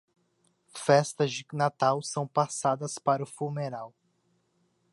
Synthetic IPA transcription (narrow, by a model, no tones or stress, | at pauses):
fɛst̪ɐzd͡ʒɪnat̪awsɐ̃w̃pasad̪ɐspaɾʊfumeɾaw